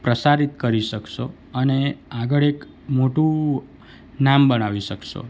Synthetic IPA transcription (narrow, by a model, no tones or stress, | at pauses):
pɾəsaɾit̪kəɾiʃəkʃo | əneaɡəɭek | moʈũ | nambənaʋiʃəkʃo̰